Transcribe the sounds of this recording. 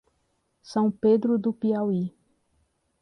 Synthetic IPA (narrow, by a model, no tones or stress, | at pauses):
sɐ̃w̃ped̪ɾʊd̪ʊpiawi